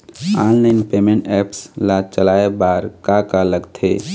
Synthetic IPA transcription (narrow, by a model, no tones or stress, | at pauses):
ãnlaɪnpeːmẽɳʈɛːpslat͡ʃəlaːebaːɾkakaləɡt̪ʰe